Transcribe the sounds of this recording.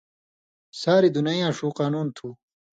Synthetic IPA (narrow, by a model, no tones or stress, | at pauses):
saːɾid̪unɐjãːʂuːqaːnuːnt̪ʰuː